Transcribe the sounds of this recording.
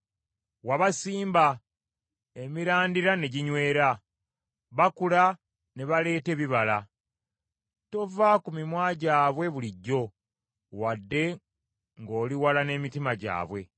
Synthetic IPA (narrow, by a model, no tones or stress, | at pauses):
waβasiːmba | e̞miɾaːndiɾane̞ɟiɲwe̞ːɾa | βakula | ne̞βale̞ːte̞βiβala | to̞vakumimwaːɟaːβwe̞βuliɟːo̞ | wadːe̞ | ŋɡo̞ːliwalane̞ːmitimaɟa̰ːβwe̞